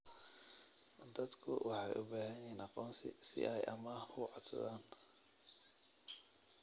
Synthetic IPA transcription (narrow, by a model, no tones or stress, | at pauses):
d̪ɐd̪kʰʊ̰wʔɑħɑjʔʊbaːɦɐjɛːnʔɑqɔːnsɪ̰sɪ̰ʔɛjʔɐmɐkʰʊʕɔd̪sɐ̰ðaːn